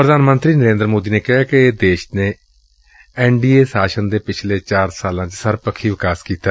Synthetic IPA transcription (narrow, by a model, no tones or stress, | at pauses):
pɾəd̪aːnmə̃nt̪ɾiːnəɾẽːnd̪ɾmoːd̪iːneːkɪɦaːkɪd̪eːʃneː | ɛːɳɖiːeːsaːʃənd̪eːpɪt͡ʃʰleːt͡ʃaːɾsaːlãːt͡ʃsəɾpəkʰːiːʋɪkaːskiːt̪aː